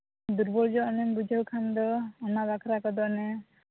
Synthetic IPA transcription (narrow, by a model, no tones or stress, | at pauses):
d̪uɾbɔɾd͡ʒɔɔnɛmɾud͡ʒʱəwkʰand̪ɔɔnabakʰɾakɔd̪ɔnɛ